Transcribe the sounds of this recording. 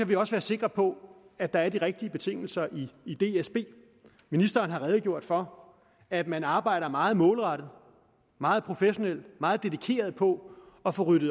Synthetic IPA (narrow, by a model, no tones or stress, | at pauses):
æʋiɒ̽sʋæːɐse̝ɡ̥ʁɐpʰɒ̽æd̥ɑ̈æɐd̥iʁɛɡ̥̚d̥iəb̥e̝t͡sʰe̝ŋ̰l̩sɐʔiːd̥e̝esb̥e̝̰ː | minisd̥ɐːnɦɑ̈ʁɛːð̩ˠɡ̥jo̝ɐ̰d̥fɒ̽ | æd̥mænɑ̈ːb̥ɑ̈ɪ̰ɾ̥ɐmɑ̈ːð̞̩ˠmɔ̽ːlʁɑɾ̥ð̩ˠ | mɑ̈ːð̞̩ˠpʰʁo̝feɕo̝nel̰mɑ̈ːð̞̩ˠd̥e̝ðˠikʰe̝̰ːɐðˠpʰɒ̽ | ɒ̽fɒ̽ʁyɾ̥ð̩ˠ